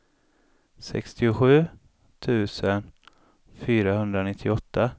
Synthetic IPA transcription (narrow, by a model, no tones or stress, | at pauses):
sɛ̰kst̪ɪʊɧʉ̟ː | t̪ʰʉ̟ːsən | fyːɾahɵnd̪ɾanɪt̪ʰːɪɔt̪ʰːa